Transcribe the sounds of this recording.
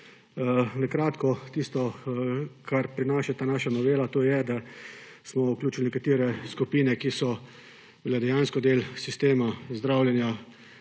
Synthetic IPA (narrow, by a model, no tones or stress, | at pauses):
nakɾaːt̪kɔt̪ist̪ɔ | kʰaɾpɾinaːʃɛt̪aːnaːʃanɔʋeːlat̪oːjɛd̪a | smɔuklʲuːt͡ʃilnɛkat̪iːɾɛskupiːnɛkisɔ | blɛd̪ɛjaːnskɔd̪eːlsist̪eːmazd̪ɾaːwljɛnja